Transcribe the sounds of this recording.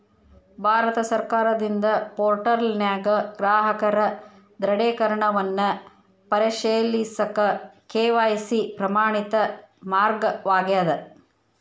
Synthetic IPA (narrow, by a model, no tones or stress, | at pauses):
bʱaːɾɐt̪ɐsɐɾkaːɾɐd̪ind̪ɐpoːɾʈɐɾlnjaːɡɐɡɾaːɦɐkɐɾɐ | d̪ɾɐɽeːkɐɾɐɳɐʋɐnːɐ | pɐɾeʃeːlisɐkɐkeːʋajsipɾɐmaːɳit̪ɐmaːɾɡɐʋaːɡejɐd̪ɐ